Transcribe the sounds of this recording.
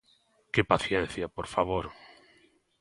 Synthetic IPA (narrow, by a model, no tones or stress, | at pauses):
kepaθjɛnθjapoɾfaβoɾ